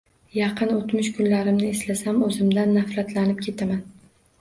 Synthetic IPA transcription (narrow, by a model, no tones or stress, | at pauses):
jɑqʰɨnot̪mʊʃkʰʊnlaɾɪmnɪːslasamɵzɪmd̪anːafɾat̪ʰlanɪp̚kʲʰe̞t̪ʰaman